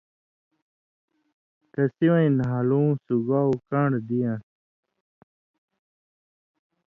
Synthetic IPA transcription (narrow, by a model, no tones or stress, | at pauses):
t̪ɐsiwãĩnɦalũːsuɡawkãɳɖd̪ijã